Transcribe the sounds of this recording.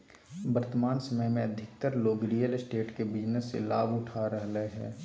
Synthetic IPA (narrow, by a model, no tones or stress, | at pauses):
bəɾt̪əmaːnsɐməjmẽɐd̪ʱɪk̚t̪əɾloːɡɾiːjəlɪsʈeːʈkebɪd͡ʒnəsːḛlaːbʊʈʰaɾəɦleɦɛ̰ː